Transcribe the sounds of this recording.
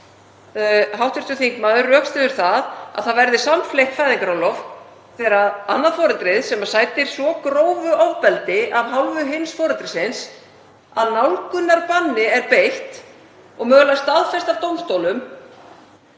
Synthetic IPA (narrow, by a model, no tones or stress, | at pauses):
ɦawht̪ʏst̪ʏθiŋkmaːðʏrːœːkst̪ɪðʏɾ̥θaða̰ðθaðvɛɾðɪsamflejht̪fajðiŋkaɾawlɔv | θɛɾaðanːaðfɔːɾʏnt̪ɾɪðsɛmasaːjt̪ɪɾ̥svɔkɾoːwvʏʔɔvpɛlt̪ɪʔavɦawlvʏɦɪnsfɔːɾʏnt̪ɾɪsɪns | aðnawlkʏnːaɾpanːɪɛɾpejht̪ | ɔɣmœːɣlast̪aðfɛst̪avt̪owmst̪owlʏm